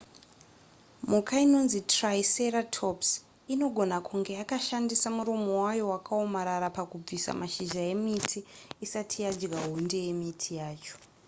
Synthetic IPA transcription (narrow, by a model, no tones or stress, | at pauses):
mukaino̞nzitraise̞ɾatʰops | ino̞ɡʱo̞nakʰuŋɡe̞akaʃandisamuɾomowajo̞wakʰao̞maɾaɾapakub͡visa̰maʃiʒaje̞mitʰiːsatʰijad͡ʒɡaɦonde̞je̞mitʰijaːt͡ʃo̥